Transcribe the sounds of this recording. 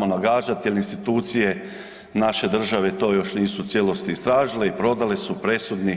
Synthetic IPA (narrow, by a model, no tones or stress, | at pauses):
monaɡaːʒat̪jelinst̪it̪uːt̪sije̞ | naʃe̞d̪r̩ʒaʋe̞t̪o̞ːjo̞ʃniːsut̪sʲjelo̞st̪iːst̪ɾaːʒileipɾo̞d̪ale̞supɾe̞sud̪ni